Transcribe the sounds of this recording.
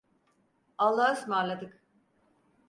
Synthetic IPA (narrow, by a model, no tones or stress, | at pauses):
alˠːahɯsmaɾlˠad̪ɯk